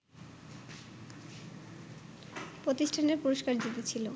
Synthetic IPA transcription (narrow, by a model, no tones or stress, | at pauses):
pɾot̪iʃʈʰaneɾpuɾoʃkaɾd͡ʑit̪et͡ɕʰilo